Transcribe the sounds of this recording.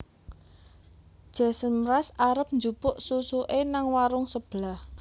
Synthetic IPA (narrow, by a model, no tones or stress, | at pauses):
d̥ʒ̥ɛ̤səmɾasaɾəp̚nd͡ʒupʊʔsusuʔenaŋwaɾʊŋsəb̥lah